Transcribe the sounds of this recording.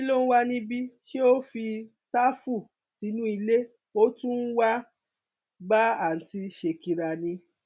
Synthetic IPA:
i˦lo˦n̩˦wa˦nĩ˧bi˦ʃe˦o˦fi˧ | ta˦fu˦˨ | ti˨˦nũ˦i˧le˦ | o˦tũ˦n̩˦wa˦ | ba˦a˦˨n̩˨ti˧ʃe˨ki˨ɾa˨nĩ˧

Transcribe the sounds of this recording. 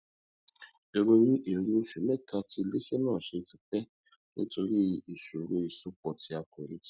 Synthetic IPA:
o˨˧ɾo˧ɾĩ˦ʔe˨ɾi˧˦o˧ʃu˨mɛ˦˨ta˧ti˧le˦ʃe˦nãː˦˨ʃe˧ti˧k͡pɛ˦ | nḭ̃˦to˧ɾi˦i˨ʃu˨ɾo˨˦i˨su˦k͡pɔ˨ti˧˦a˧ke˨ɾi˨˦t

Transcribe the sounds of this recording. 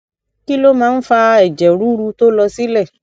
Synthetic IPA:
ki˦lo˦mãː˨˦n̩˦fa˧ɛ˨d͡ʒɛ˨ɾu˨˦ɾu˧to˦lɔ˧si˦lɛ˦˨

